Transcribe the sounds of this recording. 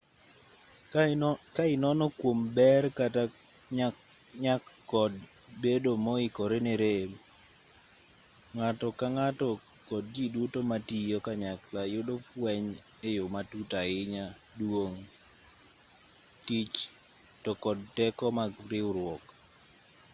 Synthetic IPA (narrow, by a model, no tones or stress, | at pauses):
kaɪnɔnɔkwombɛrkata | ɲa | ɲakːɔd | bedomɔɪkɔɾeneɾe | ŋatɔkaŋatɔkɔd̚d͡ʒidutomatijɔkaɲaklajodofwɛɲejomatutaɪɲa | dwoŋ | tit͡ʃ | tɔkɔd̚tɛkɔmaɡɾɪwɾwɔk